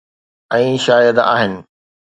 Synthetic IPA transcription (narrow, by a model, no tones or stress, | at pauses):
ɛ̃ːʃaːjəd̪a̰ːɦɪnɪ̆